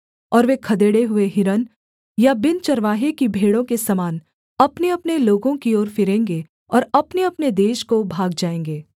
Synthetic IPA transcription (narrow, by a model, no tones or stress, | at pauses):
ɔːɾʋekʰɐd̪eːɽeɦʊeɦɪɾən | jabɪnt͡ʃɐɾʋaːɦekibʱeːɽõkesɐmaːn | ɐpneɐpneloːɡõkioːɾfɪɾẽːŋɡe | ɔːɾɐpneɐpned̪eːʃkobʱaːɡd͡ʒaːẽːŋ̆ɡeː